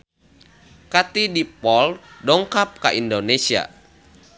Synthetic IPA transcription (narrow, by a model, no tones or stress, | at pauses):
kat̪idipɔldɔŋkap̚ka̰ʔindonesia̰